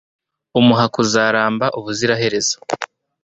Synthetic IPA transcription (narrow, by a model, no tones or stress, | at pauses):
umuɦakuzaːɾaːmbaʔuβuziɾaɦe̞ɾe̞zḁ